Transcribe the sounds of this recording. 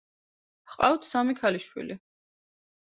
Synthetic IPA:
qʼawt̪ʰsamikʰaliʃwḭli

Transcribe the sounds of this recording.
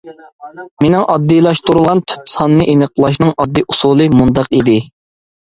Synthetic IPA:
menɪŋʔɑd̪ːijlˠɑʃt̪uɾulˠʁɑnt̪ʰy̥psɑnːɨʔenəqlˠɑʃ̬nɨŋɑd̪ːɨʔusulˠɨmund̪ɑqid̪ɪ

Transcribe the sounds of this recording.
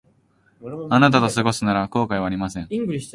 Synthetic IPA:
anat̪at̪osɨɡo̞sɨnaɾako̞ːkaiβaːɾʲimasẽ̞ŋ

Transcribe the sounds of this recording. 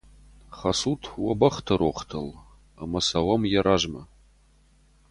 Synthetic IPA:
χɐsutʰwɐbɐχtʰɐɾoχtʰɐl | a̰mɐsawɐmjaɾaʒmɐ

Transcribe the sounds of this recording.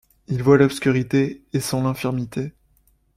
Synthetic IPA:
ilvwalɔpskʲyʁit̪eːsɑ̃lɛ̃fiʁmit̪ʰe

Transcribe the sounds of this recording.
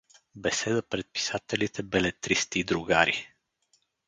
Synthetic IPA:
bɛsɛd̪əpɾɛt̪̚pi̥sat̪ɛlit̪ɛbɛlɛt̪ɾist̪iːd̪ɾuɡaɾi

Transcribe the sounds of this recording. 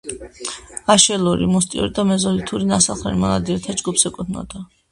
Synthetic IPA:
aʃɛluɾḭmust̪ʼiṵɾid̪amɛzɔlit̪ʰuɾinasalˠχɛ̰ɾimalˠa̰d̪iɛɾt̪ʰad͡ʒɡupsɛkʼud̪ʰnɔ̰d̪̥a

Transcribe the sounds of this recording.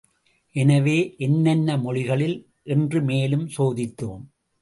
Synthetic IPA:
ʔɛnɐʋeːʔɛnːɐnːɐmɔɻɪɣɐɭɪl | ʔɛndrɯmeːlɯmsoːðɪt̪ːoːm

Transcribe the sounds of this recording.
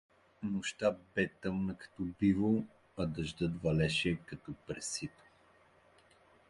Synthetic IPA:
mʊʃt̪abɛt̪əmnəkɐ̥t̪ɔbivo | ɐd̪ɐʒd̪ɤt̪vɐlɛʃɛkɐt̪ɔpɾɛsit̪o̥

